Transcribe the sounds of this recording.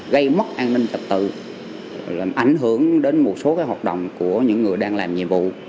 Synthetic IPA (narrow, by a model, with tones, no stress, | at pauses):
ɣə˧jmə˦˥t̚ʔaː˧nnï˧ŋ̟tə˨˩p̚t̪ɨ̰˧˨˩ | ʔa˧˩jŋ̟ɦɨ˧˩əŋɗe˨˦nmo˨˩t̚so˨˦kaː˨˦jɦaː˨˩t̚ɗə̰˧˨wŋ͡mku˧˩əɲɨ̰˧˥ŋːɨ˨˩əjɗaː˧ŋlaː˨˩mɲḭ˧˨əmvṵ˧˨